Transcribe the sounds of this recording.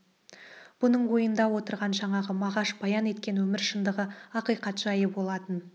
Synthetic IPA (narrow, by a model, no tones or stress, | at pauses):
b̥ʊnəɴwo̞jənd̪ɑwo̞t̪əɾʁɑnʒɑɴɑʁəmɑʁɑʃbɑjɑne̞t̪̚kʲe̞nwɵmɪɾʃənd̪əʁəɑqijqɑt̪ʒ̥ɑjəbo̞lˠɑt̪ən